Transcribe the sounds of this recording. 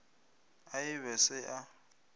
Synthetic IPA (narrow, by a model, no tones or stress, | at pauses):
aɪβɛsɪʔa